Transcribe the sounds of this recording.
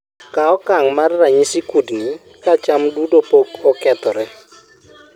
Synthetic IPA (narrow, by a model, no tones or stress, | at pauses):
kaɔkaŋmarːaɲisikudni | kat͡ʃamdudopokɔkɛt̪ɔɾɛ